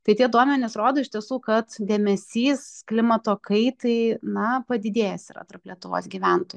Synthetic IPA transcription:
t̪ɐɪt̪ʲiɛd̪uɔmʲɛnʲɪsɾoːd̪oːɪʃt̪ʲiɛsuːkɐt̪d̪ʲeːmʲɛsʲiːsklʲɪmɐt̪oːkɐɪt̪ɐɪnɐpɐd̪ʲɪd̪ʲeːjɛsiɾɐ̰t̪ɐrplʲiɛt̪ʊʋo̰ːsɡʲiːʋʲænt̪oːj

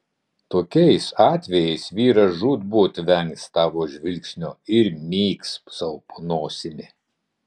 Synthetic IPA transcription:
t̪oːkʲɛɪsɑːt̪ʲʋʲɛjɛɪsʋʲiːɾɐʒuːt̪buːt̪ʲʋʲɛŋʲkst̪ɑːʋoːʒʲʋʲɪlʲksʲnʲoːɪɾmʲiːkssɐpnoːsʲɪmʲɪ

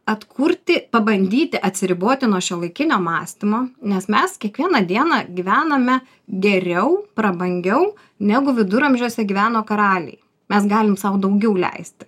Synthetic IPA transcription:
ɐt̪kʰʊɾʲt̪ʲɪpɐbɐnʲd̪ʲiːt̪ʲɪʔɐt̪ʲsʲɪɾʲɪboːt̪ʲɪnuɔʃʲɛlˠɐɪkʲɪnʲoːmɑːsʲt̪ʲɪmoːnʲɛsmʲɛskʲiɛkʋʲiɛnɐd̪ʲiɛnɑɡʲiʋʲæːnɐmʲɛ | ɡʲɛɾʲɛʊpɾɐbɐŋʲɡʲɛʊ | nʲæɡʊʋʲɪd̪ʊɾɐmʲʒʲoːsʲɛɡʲiʋʲæːnoːkɐɾɑːlʲɛ̰ɪ | mʲɛsɡɑːlʲɪmsɐʊd̪ɐʊɡʲɛʊlʲɛ̰ɪsʲt̪ʲɪ̥

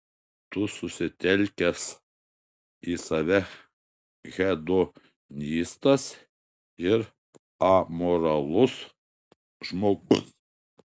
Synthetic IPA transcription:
t̪ʊsʊsʲɪt̪ʲɛlʲkʲɛs | iːsɐʋʲɛ | ɣʲɛd̪o | nʲiːst̪ɐs | ɪɾ | ɐmoːɾɐlˠʊs | ʒmoːɡʊ̰s

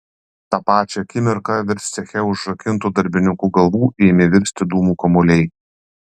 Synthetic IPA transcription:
t̪ɑːpɑːt͡ʃʲɛkʲɪmʲɪɾkɐʋʲɪɾʲsʲsʲɛxʲɛʊʒɾɐkʲɪnˑt̪uːd̪ɐɾʲbʲɪnʲɪkuːɡɐlˠʋuːʔeːmʲɪʋʲɪɾʲsʲt̪ʲɪd̪uːmuːkɐmɔlʲɛɪ

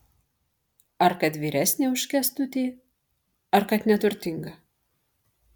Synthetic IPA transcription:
ɐɾkɐt̪ʋʲiːɾʲæsʲnʲeːʊʃʲkʲɛst̪ʊt̪ʲiː | ɐɾkɐt̪nʲɛt̪ʊɾʲt̪ʲɪŋɡɐ

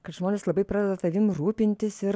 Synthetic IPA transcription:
kɐt̪ʒmoːnʲeːslˠɐbɐɪpɾɑːd̪ʲɛd̪ɐt̪ɐʋʲɪmruːpʲɪnʲt̪ʲɪsɪɾ

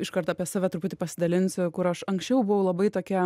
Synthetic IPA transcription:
ɪʃkɐɾt̪ɐɐpʲɛsɑːʋʲæt̪ɾʊpʊt̪ʲɪpɐsʲɪd̪ɐlʲɪnʲsʲʊkʊɾɐʃɐŋksʲt͡ʃʲɛʊbʊʋɐʊlˠɐbɐɪt̪oːkʲɛ

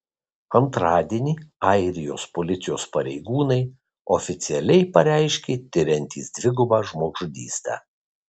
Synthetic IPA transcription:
ɐnt̪ɾɑːd̪ʲiɛnʲiːɐɪɾʲɪjo̰ːspolʲɪt̪sʲɪjoːspɐɾʲɛɪɡuːnɐɪ | ɔfʲɪt̪sʲɪɛlʲɛɪpɐɾʲæˑɪʃʲkʲeːt̪ʲɪɾʲɛnʲt̪ʲḭːsd̪ʲʋʲɪɡʊbɑːʒmoːɡʒʊd̪ʲḭːst̪ɑ̰ː

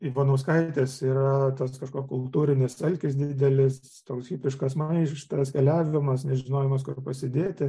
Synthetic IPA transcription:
iʋonɐʊskɐɪt̪ʲeːsiːɾɐt̪ɐskɐʃkoːkʲkʊlˠt̪uːɾʲɪnʲɪsɐlʲkʲɪsd̪ʲiːd̪ʲɛlʲɪs | t̪oːksɡʲiːpʲɾʲɪʃkɐsmɐɪʃt̪ɐskʲɛlʲæːʋʲɪmɐsnʲɛʒʲɪnoːjɛmɐskʊɾpɐsʲɪd̪ʲeːt̪ʲɪ

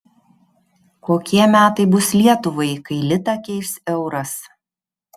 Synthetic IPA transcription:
koːkʲiɛmʲæːt̪ɐɪbʊslʲiɛt̪ʊʋɐɪkɐɪlʲɪt̪ɐkʲɛɪʃʲsɛʊɾɐs

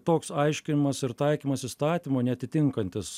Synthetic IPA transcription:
t̪oːksɐɪʃʲkʲɪnʲɪmɐsɪɾt̪ɐɪkʲiːmɐsiːst̪ɑːt̪ʲimoːnʲɛɐt̪ʲɪt̪ʲɪŋkɐnʲt̪ʲɪs

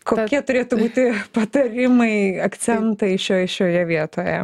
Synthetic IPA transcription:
koːkʲiɛt̪ʊɾʲeːt̪ʊbuːt̪ʲɪpɐt̪ɐɾʲɪmɐɪɐk̪sʲɛnt̪ɐɪʃʲoːjʃʲoːjɛʋʲiɛt̪oːjɛ̰

